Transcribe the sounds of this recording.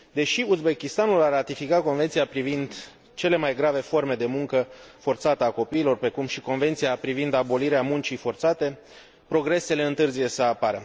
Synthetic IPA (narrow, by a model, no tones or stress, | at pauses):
d̪e̞ʃiuzbe̞kʲist̪anularat̪ifikako̞nvet̪siapɾivind̪ | t͡ʃe̞le̞majɡɾave̞fo̞rme̞d̪e̞muŋkəfo̞rt̪sat̪əako̞piːlo̞rpɾe̞kumʃiko̞nve̞nt̪siapɾivind̪abo̞liɾeamunt͡ʃifo̞rt̪sat̪e̞ | pɾo̞ɡɾe̞se̞le̞ɨnt̪ɨrzije̞səapaɾə